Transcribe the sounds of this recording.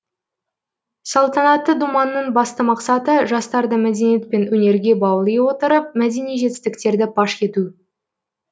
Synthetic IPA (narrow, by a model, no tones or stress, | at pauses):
sɑlˠt̪ɑnɑt̪ːəd̪umɑnːəɴbɑst̪əmɑqsɑt̪əʒɑst̪ɑɾd̪əmæd̪e̞nije̞t̪̚pe̞nwɵne̞ɾɡʲe̞bɑwlˠijwo̞t̪əɾəp̚mæd̪e̞nijʒe̞t̪ɪ̥st̪ɪkt̪e̞ɾd̪ɪbɑʃkʲe̞t̪u